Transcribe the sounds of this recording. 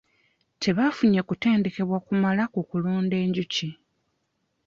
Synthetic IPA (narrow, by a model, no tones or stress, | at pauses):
tʰe̞βafuɲekuteːndeke̞βwakumalakukuluːnde̞ːɲɟuci